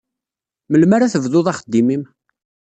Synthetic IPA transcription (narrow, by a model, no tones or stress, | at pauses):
məlmaɾaθəvðʊðˤɑχəd̪ːimim